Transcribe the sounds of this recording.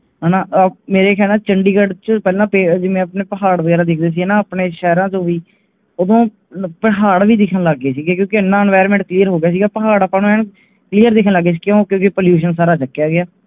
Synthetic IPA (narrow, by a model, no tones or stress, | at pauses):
ɦɛːnãːʔmeːɾeːkʰɛːlnaːt͡ʃəɳɖiːɡəɖt͡ʃəpɛːlãːped͡ʒɪmẽːəpneːpəɦaːɽʋəɡɛːɾaːd̪ɪkʰd̪eːs̬iːɛːnãːəpneːʃɛːɾãːt͡ʃõːʋiː | od̪õː | pəɦaːɽʋiːd̪ɪkʰənləɡːeːsiːɡaːkjõːkeɪnːãːɛnʋaːəɾmɛ̃ːɳʈ̚klijəɾɦoːɡɪjaːs̬iːɡaːpəɦaːɽapːãːnũmɛːn | kliːəɾd̪ɪkʰnləɡːeːsiːkjõːkjõːkɪpoljuːʃənsaːɾaːt͡ʃəkːjaːɡɪjaː